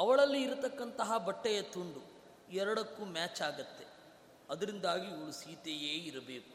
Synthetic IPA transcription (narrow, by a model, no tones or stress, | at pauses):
ɐʋɐɭɐlːiːɾɐt̪ɐkːɐnt̪ɐɦɐbɐʈːɛjɐt̪uɳɖu | ɛɾɐɽɐkːuːmaːt͡ʃaːɡɐt̪ːe | ɐd̪ɐɾind̪aːɡiːʋɐɭusiːt̪ejeːiɾɐbeːku̥